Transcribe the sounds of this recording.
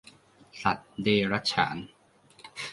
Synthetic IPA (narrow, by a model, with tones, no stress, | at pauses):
sa˨˩t̪̚deː˧ɾa˦˥t̪̚t͡ɕʰa̰ː˩˦n